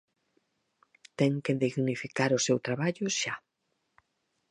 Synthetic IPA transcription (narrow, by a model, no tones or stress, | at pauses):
t̪ɛŋkeðiɣnifikaɾʊsewt̪ɾaβaʎʊʃa